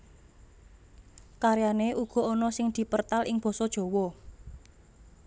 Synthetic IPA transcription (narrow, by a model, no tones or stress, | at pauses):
kaɾjaneʔuɡ̥ɔ̤ɔnɔsɪŋd̪̥i̤pərt̪alʔɪŋb̥ɔ̤sɔd̥ʒ̥ɔ̤wɔ